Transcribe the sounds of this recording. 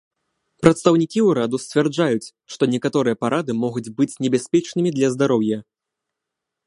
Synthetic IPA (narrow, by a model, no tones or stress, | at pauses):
pɾɐt̪st̪ɐwnʲikʲiwɾad̪usʲt͡sʲvʲɛrd͡ʐajut͡sʲ | ʂt̪ɔnʲɛkat̪ɔɾɨjɐpaɾʔad̪ɨmɔɣud͡zʲbɨt͡sʲnʲɛbʲasʲpʲɛt͡ʂnɨmʲid̪lʲɐzd̪aɾɔwjɐ